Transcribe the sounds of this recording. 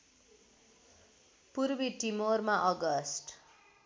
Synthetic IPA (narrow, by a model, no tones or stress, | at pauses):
purbiʈimormaʔʌɡʌsʈ